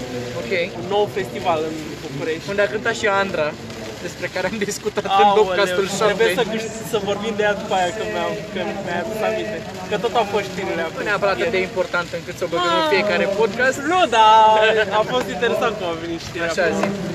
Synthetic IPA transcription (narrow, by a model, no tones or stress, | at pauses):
okejũnowfest̪ivalɨn | pukuɾeʃund̪akɨ̃nt̪aʃiand̪ɾa | d̪espɾekaɾeamd̪iskut̪at̪ɨ̃oɐkaset̪ulsapẽsɐkɨʃ | sɐvoɾvĩnd̪eat̪u̥kajakɐmakɐmeat̪savit̪e | kɐt̪ot̪afoʃt̪fiɾilauneapɐɾat̪d̪eimpoɾt̪ant̪ɨŋkɨt̪sovoĩfiekaɾepod̪kast̪nod̪aafost̪int̪eɾesãnt̪̚komaveniʃt̪iaʃazi